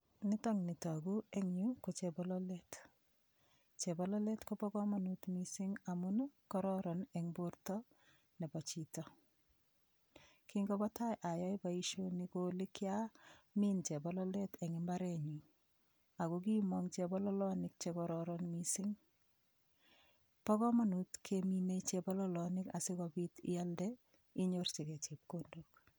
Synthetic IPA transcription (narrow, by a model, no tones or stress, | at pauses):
nɪtɔŋnitɔɡueŋɲukot͡ʃebɔlɔlet | t͡ʃebɔlɔletkopɔkɔmanutmisiŋamunkɔɾɔɾɔnɛŋboɾtɔ | nɛbɔt͡ʃitɔ | kiŋɡɔbɔtajʔajɔjbaiʃonikolikjamint͡ʃɛbɔlɔlɛtɛŋɪmbaɾɛɲi | akok̬imɔŋt͡ʃɛbɔlɔlɔnɪk̚t͡ʃekɔɾɔɾɔnmisɪŋ | pɔkɔmanutkʰeminet͡ʃɛbɔlɔlɔnɪka̰sɪkɔbitɪ̰jaldɛ | iɲoɾt͡ʃikɛt͡ʃep̚kondok